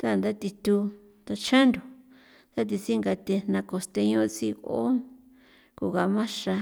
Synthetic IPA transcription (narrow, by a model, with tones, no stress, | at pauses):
t̪a˦˨nd̪a˦t̪i˧t̪u˧ | t̪a˧t͡ʃã˦nd̪o˨ | t̪a˦t̪̬i˧t͡si˦ŋɡa˧t̪e˧nã˧ko˧st̪e˧ɲõ˧ʔt͡si˧o̰˦ | ku˧˨ɣa˧mã˦ʂa˧